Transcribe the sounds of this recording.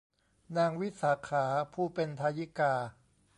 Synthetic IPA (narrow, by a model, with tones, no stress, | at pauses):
naː˧ŋwi˦˥saː˩˦kʰaː˩˦pʰuː˥˩pe˧nt̪ʰaː˧ji˦˥kaː˧